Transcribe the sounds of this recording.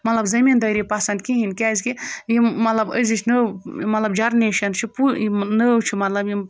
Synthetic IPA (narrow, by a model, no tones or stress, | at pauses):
mɐt̪lɐbzɐmind̪ɐɾipasɐnd̪kĩɦinʲkʲaːzʲkijimɐt̪lɐbə̰zit͡ʃʰnəmɐt̪lɐbd͡ʒaɾneʃɐnt͡ʃʰipuinəwt͡ʃʰimɐt̪lɐbji